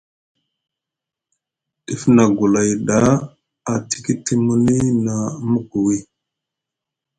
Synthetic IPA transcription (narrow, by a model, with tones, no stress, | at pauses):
ɗi˦fna˨ɡu˨la˨jɗa˦ | a˨ti̥˨ki˦ti˦mu˦ni˦na˨˦mə˦ɡu˨wi˦˨